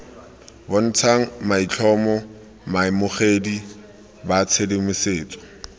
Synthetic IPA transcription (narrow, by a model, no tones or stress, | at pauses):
bɔn̩t͡sʰaŋ̩mait͡ɬʰɔmɔ | maɪmʊχedi | bat͡sʰedɪmʊseːt͡sʼɔ̥